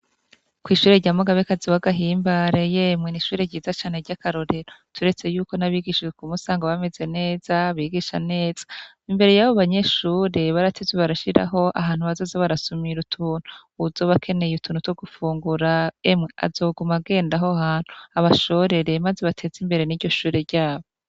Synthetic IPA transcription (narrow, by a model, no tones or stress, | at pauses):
kwiːʃuːɾeɾɟaːmoɡaβekaziwaɡaɦiːmbaɾe̞jemŋeniʃuːɾeɟiːzat͡ʃaːne̞ɾɟakaɾo̞ɾe̞ɾotʰuɾe̞t͡se̞juːko̞naβiɡiʃikumusaːŋɡaβame̞ze̞ne̞ːz̥aβiːɡiʃane̞ːz̥ḁ | imbe̞ɾe̞jaβoβaɲe̞ʃuːɾe̞βaɾatʰezweβaɾaʃiɾa̰ɦo̞ʔa̰ɦaːn̥huβazozoβaɾasumiɾutʰuːn̥u | uzo̞βakʰe̞ne̞jutʰuːnhutoɡufuːŋɡuɾaemŋe̞a̰zo̞ːɡumaɡe̞ːndaɦohaːn̥huaβaʃo̞ɾe̞ɾe̞mazeβatʰe̞ːzimbe̞ɾe̞niːɾɟo̞ʃuːɾe̞ɾɟaːβo